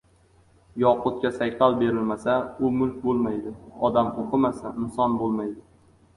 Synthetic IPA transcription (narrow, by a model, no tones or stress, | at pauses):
jɒqʊt̪̚kʲasajqalˠbe̞ɾɪlmasaʊmʊlˠkʲbolˠmajd̪ɪɒd̪amqʰoqʰɨmasaɪnsɒnbolˠmajd̪ɪ